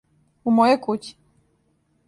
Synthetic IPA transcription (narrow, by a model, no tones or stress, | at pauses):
umojokut͡ɕi̥